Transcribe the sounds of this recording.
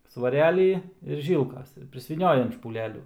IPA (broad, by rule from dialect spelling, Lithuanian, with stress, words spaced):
sʋɐˈrʲæːlʲiː ɪr ˈʒʲiːlˠkɐs ɪr pʲrʲɪsʲʋʲiːˈnʲoːjɛm ʃpuːˈlʲæːlʲuː